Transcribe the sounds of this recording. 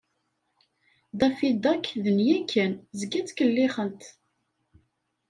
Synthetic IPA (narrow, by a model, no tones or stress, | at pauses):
d̪ɑfid̪ɑkðənjækːənzəɡæt͡sːkəlːiχənt̪